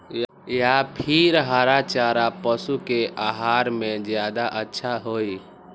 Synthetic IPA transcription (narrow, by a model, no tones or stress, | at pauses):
j | japʰiɾɦaɾat͡ʃaɾapəsukeʔaɦaɾmẽd͡ʒjad̪aʔətːʃʰaɦoi